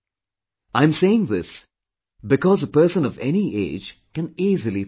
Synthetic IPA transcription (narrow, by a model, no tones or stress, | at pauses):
ãɪ̃mseɪɪ̃ŋðɪs | bɨkɔzəpɜ˞sə̃nʌvɛ̰niʔḛɪ̥d͡ʒkɨ̃niːzəlˠi